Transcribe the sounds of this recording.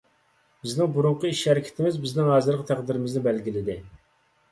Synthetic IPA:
bɪznɪŋbuɾuɴqʰʊiʃhɛɾɪkʲʰɪ̥t̪ʰɪmɪzbɪznɪŋhɑːzɨɾʁt̪ʰæqd̪ɪɾɪmɪznɪbɛlɡʲilɪd̪ɪ

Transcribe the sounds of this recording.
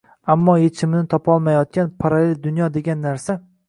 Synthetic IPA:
amːɒjet͡ʃʰɪmɪnɪt̪ʰɒpɒlˠmajɒt̪̚kʲanpʰaɾale̞ld̪ʊnjɒd̪e̞ɡʲanːaɾsa

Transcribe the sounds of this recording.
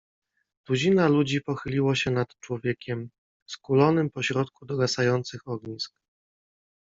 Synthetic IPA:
d̪ud͡ʑinalud͡ʑipɔxɘlʲiwaɕɛnat̪t͡ʂwɔvʲjɛkʲɛm | skulɔnɘmpɔɕɾɔt̪kud̪ɔɡasajɔnt̪sɘxɔɡɲisk̚

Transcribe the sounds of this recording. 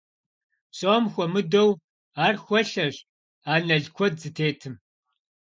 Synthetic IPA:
ɕʼoːmxʷɔmɨdow | aːrxʷɔɬɐʑ | aːnɐɮkʷʰɔd̚zɨtʰeːtʰɨm

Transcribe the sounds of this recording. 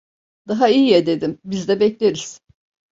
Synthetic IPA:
d̪̥aɦaijijɛd̪e̞d̪imbizd̪ɛbɛclʲeɾiz̥

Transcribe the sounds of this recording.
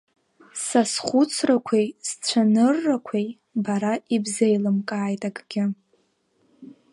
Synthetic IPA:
sasχʷʊt͡sʰrakʷʰejst͡sʷʰanɨrːakʷʰej | baɾaibzejlɨmkʼaːjtʼakʼɡʲɪ

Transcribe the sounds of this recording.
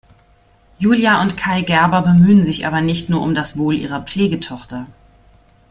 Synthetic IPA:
juːljaʊntkʰaɪlɡɛɐbɐbəmyːənzɪçʔa̰ːbɐnɪçtnuːɐʊmdasv̥oːlʔḭːʁ̞ɐp͡fleːɡətʰɔχtɐ

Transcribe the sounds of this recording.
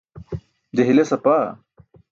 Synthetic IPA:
d͡ʑeɦilesɐpa

